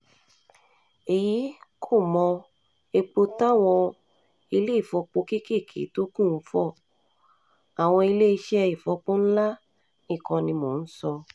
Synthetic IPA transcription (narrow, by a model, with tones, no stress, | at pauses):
e˨ji˨˦kʰo˦˨mɔ̃˧ | e˧k͡po˧ta˦˨w̃ɔ̃˧ | i˧le˦i˦˨fɔ˧˦k͡po˧ki˦ke˦˨kʰḛ˨˦to˦kũ˦˨n̩˦fɔ˦˨ | a˨w̃ɔ̃˧i˧le˦i˧ʃɛ˦˧i˨fɔ˨˦k͡po˦n̩˦la˦ | nĩ˦˨kɔ̃˧nĩ˧mo˨n̩˦sɔ˧